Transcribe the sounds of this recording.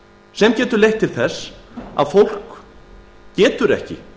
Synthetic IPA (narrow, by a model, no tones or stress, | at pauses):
sɛmcɛːt̪ʏɾlejht̪ʰːɪlθɛsːa̰ðfowl̥k | cɛːt̪ʏɾɛ̰hcɪ̰